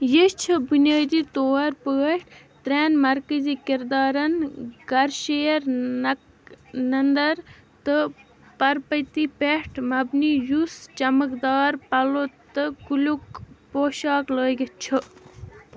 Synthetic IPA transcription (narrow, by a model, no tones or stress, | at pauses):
jeʃt͡ʃʰibunjaːd̪it̪oːɐɾpəːʈ | t̪ɾeːnmɐɾkəziːkiɾd̪ɑːɾɐnɡ̥ɐɾʃeːɾ | nɐnd̪ɐɾ | t̪ɨ | pɐɾpɐt̪ipeʈʰmɐbnijust͡ʃɐməkd̪ɑːɾpɐlot̪ɨkulukpoːʃaːkləːɡit͡ʃʰɨ